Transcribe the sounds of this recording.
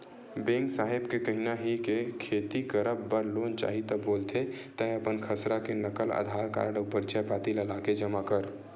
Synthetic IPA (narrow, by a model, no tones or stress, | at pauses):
bẽŋksaːɦɪbkekəɦinaɦikekʰeːt̪ikəɾəbːəɾloːnt͡ʃa̰ːɦit̪əboːlt̪ʰet̪əɦəpənkʰəsɾakenəkələ̰d̪ʱaːɾka̰ːɾɖʊpəɾt͡ʃɛpaːt̪iləlaked͡ʒəmakəɾ